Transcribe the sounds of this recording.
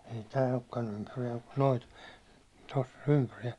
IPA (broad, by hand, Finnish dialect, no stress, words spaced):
ei tæː okːɑn ympyrijæim mu̥t no̥i̥t tosː o̥n̥ ympyr̥i̥j̊æ̥i̥